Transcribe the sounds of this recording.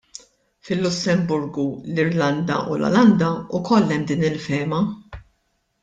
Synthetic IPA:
fɪlːʊsːɛmbʊɾɡulɪɾlɐnd̪ɐ̰ʔulɔ̰lɐnd̪ɐʊkɔlːɛmd̪iːnɪlfɛːmɐ

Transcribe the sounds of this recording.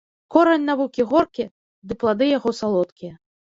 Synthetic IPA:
kɔɾɐnʲnavukʲiɣɔrkʲi | d̪ɨplˠad̪ɨjaɣɔsalˠɔt̪kʲijɛ

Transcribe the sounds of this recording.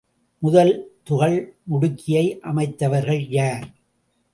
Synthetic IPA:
mʊðɐlt̪ʊɣɐɭmʊɽɯkʰːɪjɐɪʔɐmɐɪt̪ːɐʋɐɾɣɐɭjaːɾ

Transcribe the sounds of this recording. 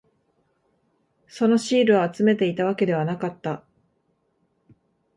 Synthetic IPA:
so̞no̞ɕiːɾɯ̟aat͡sɨme̞t̪e̞it̪aβ̞ake̞d̪e̞β̞anakat̪ːa

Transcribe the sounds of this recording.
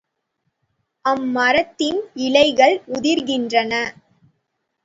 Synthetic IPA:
ʔɐmːɐɾɐt̪ːɪnɪlɐɪɣɐɭʊðɪɾɣɪndrɐnɐ

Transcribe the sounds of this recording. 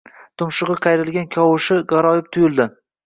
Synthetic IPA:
t̪ʰʊmʃɨʁɨqʰɑjɾɪlˠɡʲankʲʰɒwʊʃɪɡɑɾɒjɪp̚t̪ʰʊjɪld̪ɪ

